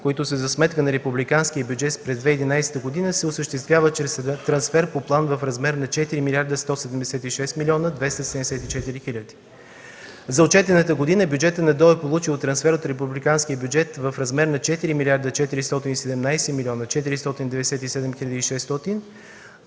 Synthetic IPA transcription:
koit̪ʊsəzɐsmɛt̪̚kənɐɾɛpublikansk̟ijəbʲjud͡ʒɛt̪spɾɛzd̪vɛid̪inajsɛ̥t̪əɡod̪inəsɛosəʃt̪ɛst̪vʲjavət͡ʃɾɛst̪ɾɐnsfɛɾpoplˠanvɐfɾɐzmɛɾnɐt͡ʃɛt̪iɾimilʲaɾd̪əst̪ɔsɛd̪ɛmd̪ɛsɛt̪iʃɛst̪milʲiɔnəd̪vɛst̪əsɛd̪ɛmd̪ɛsɛt̪it͡ʃɛt̪iɾixilʲəd̪i̥ | zɐot͡ʃɛt̪ɛnət̪əɡod̪inəbʲjud͡ʒɛt̪ənɐd̪ɔɛpolˠut͡ʃilˠt̪ɾɐnsfɛɾot̪ɾɛpublikansk̟iəbʲjud͡ʒɛt̪vəfɾɐzmɛɾnɐt͡ʃɛt̪iɾimilʲaɾd̪ət͡ʃɛt̪iɾist̪ɔt̪inisɛd̪ɛmnajsɛmilʲiɔnət͡ʃɛt̪̬iɾist̪ɔt̪ind̪ɛvɛd̪ɛsɛt̪isɛd̪ɛmxilʲəd̪əiʃɛst̪ɔt̪in

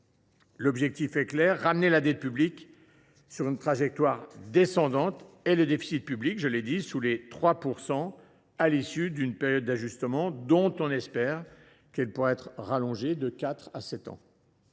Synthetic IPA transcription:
lɔbʒɛk̚t̪ifɛklɛʁːamnelad̪ɛt̪̚pyblik | syʁynt̪χaʒɛk̚t̪waʁd̪esɑ̃d̪ɑ̃t̪ | ɛləd̪efi̥sit̪̚pyblikʒəled̪isulet̪χwapuʁsɑ̃ | alisyd̪ynpɛʁjɔd̪̚ːaʒyst̪əmɑ̃d̪ɔ̃t̪ɔ̃nɛspɛʁ | kɛlpuʁaɛt̪χʁalɔ̃ʒed̪əkʲat̪χasɛt̪ɑ̰̃

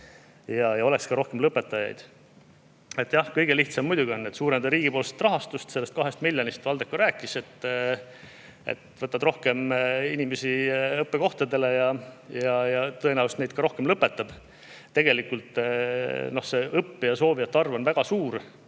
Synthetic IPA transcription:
jɑjɑo̞lekskɑɾo̞hke̞mlɤpːe̞t̪ːˑɑjɑ̰jd̪̥ | e̞t̪ːˑjɑhkɤjɡ̥e̞liht̪sɑmːujd̪uɡʲio̞nːet̪suːɾend̪ɑɾiːɡ̥ipoːlse̥t̪rɑɦɑst̪ust̪selːest̪̚kɑɦe̞st̪milʲːjonist̪vɑld̪̥e̞kːuɾæːkːˑise̞t̪ːˑ | ḛt̪vɤt̪ːˑɑd̪ro̞hke̞minime̞siɤpːeko̞ht̪ɑd̪e̞le̞jɑjɑjɑt̪ɤenæust̪ne̞jd̪̥̚kɑɾo̞hke̞mlɤpːe̞t̪ːˑɑb̥ | t̪ːe̞ɡ̥e̞likːult̪ˑ | no̞hse̞ʔɤpːjɑso̞ːvijɑt̪ːɑrvo̞nvæɡ̥ɑsuːɾ

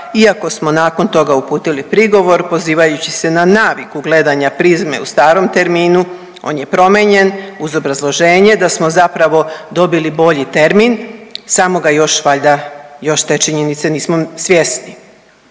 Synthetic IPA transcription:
iako̞smo̞naːko̞nt̪o̞ɡaupuːt̪ilipɾiɡo̞ʋo̞ɾpo̞ziːʋajut͡ɕise̞nanaːʋikuɡle̞d̪aɲapɾizme̞̰ust̪aːɾo̞mt̪e̞ɾmiːnu | o̞̰nje̞pɾo̞me̞ɲe̞nuzo̞bɾazlˠo̞ʒe̞ːɲe̞d̪asmo̞zapɾaʋo̞d̪o̞bilibo̞ʎit̪e̞ɾminsamo̞ɡajo̞ʃʋaʎd̪ajo̞ʃt̪e̞t͡ʃiɲenit̪seniːsmosʋje̞sni

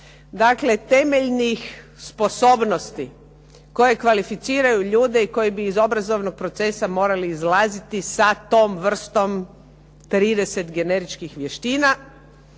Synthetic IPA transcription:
d̪akle̞t̪e̞me̞ʎnix | spo̞so̞ːbnost̪i | ko̞je̞kʋalifit̪siːɾajuʎuːd̪e̞iko̞jibiːzo̞bɾazo̞ʋnoɡ̚pɾo̞t̪se̞samo̞ːɾaliːzlaːzit̪isat̪o̞ːmʋr̩st̪o̞m | t̪ɾiːd̪e̞se̞t̪ɡe̞ne̞ɾit͡ʃkixʋjeʃt̪iːna

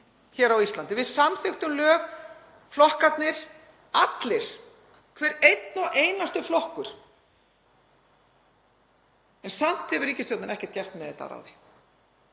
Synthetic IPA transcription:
çɛɾawist̪lant̪ɪvɪðsamfɪxt̪ʏmlœːɣ | flɔhkat̪nɪɾ̥ | at̪lɪɾ̥ | kʰvɛːɾejt̪nɔʔejnast̪ʏflɔhkʏɾ̥ | ɛnsam̥t̪hɛvʏɾiːcɪst̪owt̪anɛhcɛ̥ɾ̥t̪̚cɛst̪mɛðɛt̪a̰ɾa̰wðɪ

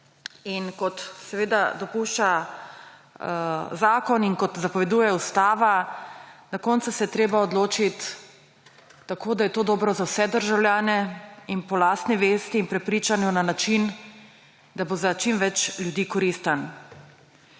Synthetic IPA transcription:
inkɔt̪sɛʋeːd̪ad̪ɔpuʃt͡ʃa | zaːkɔninkɔt̪zapɔʋɛd̪uːjɛust̪aːʋa | d̪ɔkɔːnt̪sasɛjɛt̪ɾeːbaɔd̪loːt͡ʃit̪ | akʰoːd̪ajɛt̪oːd̪ɔːbɾɔzawsɛd̪əɾʒawljaːnɛinpɔlaːst̪nɛʋest̪iːnpɾɛpɾiːt͡ʃanjunanat͡ʃin | d̪abozat͡ʃimʋɛt͡ʃlʲjud̪iːkɔɾist̪an

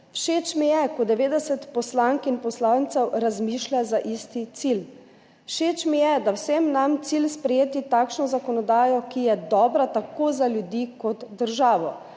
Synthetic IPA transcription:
wʃeːt͡ʃmijɛkɔd̪ɛʋeːd̪ɛsɛt̪pɔslaŋkinpɔslawnt̪sɛwɾazmiːʃlʲazaʔiːst̪it̪sil | wʃeːt͡ʃmijɛd̪awsemnamt̪silspɾɛjeːt̪it̪aːkʃnɔzakɔnɔd̪aːjɔkijɛd̪ɔːbɾat̪akoːzaljud̪ikɔt̪d̪əɾʒaːʋɔ

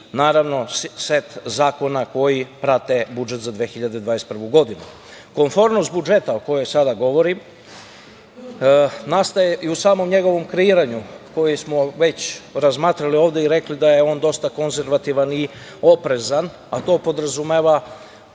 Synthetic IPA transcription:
naːɾaʋno̞set̪zaːko̞nako̞jipɾat̪e̞bud͡ʒe̞t̪zad̪ʋeːxiʎad̪ed̪ʋaːjest̪pr̩ʋuɡo̞d̪inu | ko̞nfo̞ɾmnost̪bud͡ʒe̞t̪aoko̞jo̞jsad̪aɡo̞ʋo̞ɾim | nast̪ajeʔiusaːmo̞mɲe̞ɡo̞ʋo̞mkɾeiːɾaɲuko̞jismo̞ʋe̞t͡ɕɾazmaːt̪ɾalioːʋd̪eiɾe̞klid̪ajeo̞ːnd̪o̞st̪ako̞nze̞ɾʋat̪iʋani | o̞pɾe̞zan | at̪o̞ːpo̞d̪ɾazumeʋa

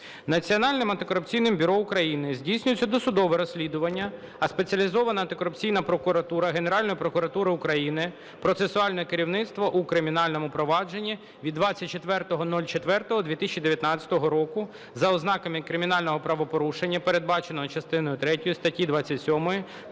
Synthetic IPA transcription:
nɐt͡sʲiɔnɑlʲnɪmɐnt̪ɪkɔɾʊpt͡sʲijnɪmbʲʊɾɔʊkɾɐjinɪzʲdʲijsʲnʲʊjɪt͡sʲːɐd̪ɔsʊd̪ɔʋɛɾɔsʲlʲid̪ʊʋɐnʲːɐ | ɐspet͡sʲɐlʲizɔʋɐnɐnt̪ɪkɔɾʊpt͡sʲijnɐpɾɔkʊɾɐt̪uɾɐɦe̞neɾɑlʲnɔjʊpɾɔkʊɾɐt̪uɾɪʊkɾɐjinɪ | pɾɔt̪sesʊɑlʲnɔjɛkeɾʲiwnɪt̪st̪ʋɐʔukɾɪmʲinɑlʲnɔmʊpɾɔʋɑd͡ʒe̞nʲːi | ʋʲid̪ʋɑt͡sʲːɐt̚ʲt͡ʃːet̪ʋɛrt̪ɔɦɔnɔlʲt͡ʃet̪ʋɛrt̪ɔɦɔd̪ʋʲit̪ɪsʲt͡ʃʲid̪eʋʲjɐt̪nɑt͡sʲɐ̥t̪ɔɦɔɾɔkʊ | zɐɔznɑkɐmɪkɾɪmʲinɑlʲnɔɦɔpɾɐʋɔpɔɾuʃenʲːɐpeɾe̞d̪̚bɑt͡ʃenɔɦɔt͡ʃɐst̪ɪnɔjʊt̪ɾɛtʲɔjʊst̪ɐtʲid̪ʋɑt͡sʲːɐtʲsʲɔmɔji

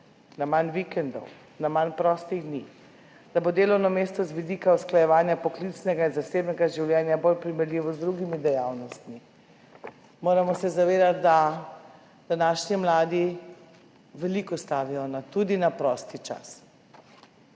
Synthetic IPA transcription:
namanʋikɛnd̪ɔ̰w | namanpɾɔst̪iɣd̪niːx | d̪̥abod̪eːlɔwnɔmeːst̪ɔzʋid̪iːkausklajɛʋaːnjapɔklit͡snɛɡainzaseːbnɛɡaʒiwlʲjɛːnjabolpɾimɛɾlʲiʋɔzd̪ɾuɡimid̪ɛjawnɔst̪mi | moːɾamɔsɛzaʋeːd̪at̪̚d̪a | d̪̥anaːʃnimlaːd̪i | ʋɛlikɔst̪aːʋijɔnat̪ud̪inapɾɔːst̪it͡ʃa̰s

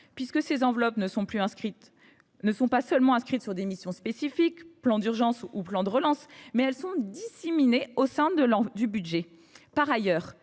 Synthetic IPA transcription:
pɥiskəsezɑ̃vlɔpnəsɔ̃plyɛ̃skχit̪ | nəsɔ̃pasœlmɑ̃ɛ̃skχit̪syʁd̪emisjɔ̃spesifikplɑ̃d̪yʁʒɑ̃suplɑ̃d̪əʁəlɑ̃smɛɛlsɔ̃d̪isemineosɛ̃d̪əd̪ybyd̪ʒɛ | paʁajœːʁ

